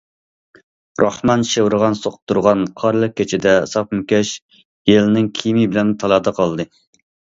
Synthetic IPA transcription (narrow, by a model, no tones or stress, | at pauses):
ɾʔɑhmɑnʃewɾʁɑnsoqʰʊ̥t̪ʰːuɾʁɑnqʰɑɾlˠəq̚kʲʰːet͡ʃʰɪd̪ɛsɑp̚mukʲɛʃ | jelɪnɪŋkʲʰimibɪlɛnt̪ʰɑlˠɑːd̪ɑqʰɑlˠd̪ɨ